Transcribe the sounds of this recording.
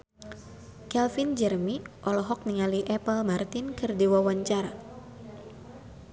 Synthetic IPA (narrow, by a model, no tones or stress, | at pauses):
kɛlfind͡ʒɛrmiʔɔlɔɦɔk̚niŋaliʔɛpəlmart̪ɪnkɨrdiwawaɲt͡ʃaɾa